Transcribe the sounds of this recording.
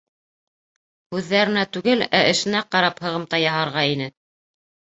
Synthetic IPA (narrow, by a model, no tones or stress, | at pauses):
hʉðːæɾɘ̆næt̪ʉɡɘlæʔɘ̆ʃɘ̆næqɑɾɑphɤ̆ʁɤ̆mt̪ɑjɑɦɑɾʁɑin̪ɘ